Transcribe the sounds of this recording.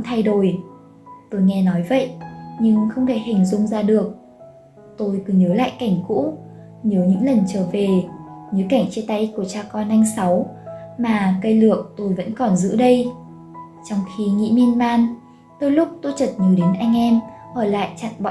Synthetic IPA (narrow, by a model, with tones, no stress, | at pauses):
ŋ͡mt̪ʰa˧jɗo˧˩j | t̪o˧jŋɛ˧nɔ˨˦jvə̰˧˨jʔɲɨ˧ŋxə˧wŋ͡mt̪ʰa˧˩ha˨˩ŋ̟zʊ̰˧˨ŋ͡mzaː˧ɗɨ˨˩ək̚ | t̪o˧jkɨ˨˦ɲəː˨˦la̰ː˧˨jka˧˩jŋ̟kṵ˧˥ | ɲəː˨˦ɲɨ̰˧˥ŋlə˨˩nt͡ɕəː˧˩ve˨˩ɲəː˨˦jka˧˩ŋ̟t͡ɕe˧t̪a˧jku˧˩ət͡ɕaː˧˩kɔ˧nʔa˧jŋ̟sa˨˦wmaː˨˩kə˧jlɨ˨˩ək̚t̪o˧jvə̰˧˥nkɔ˨˩nzɨ̰˧˥ɗə˧j | t͡ɕɔ˧wŋ͡mxi˧ŋḭ˧˥mi˧ənmaː˧n | t̪o˧jlʊ˦˥k͡p̚t̪o˧jt͡ɕə˨˩t̚ɲəː˨˦ɗe˨˦nʔa˧jŋ̟ʔɛ˧mʔəː˧˩la̰ː˧˨jt͡ɕa̰ː˧˨nɓɔ̰˧˨